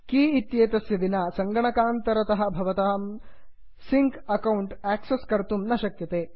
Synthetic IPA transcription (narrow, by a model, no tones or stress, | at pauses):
kiːit̪jeːt̪ɐsjɐd̪inaːsɐŋɡɐɳɐkaːnt̪ɐɾɐt̪ɐɦɐ̆bʱɐʋɐt̪aːm | siŋkɐkɐwuɳʈæːkseskɐɾt̪umnɐʃɐkjɐt̪eː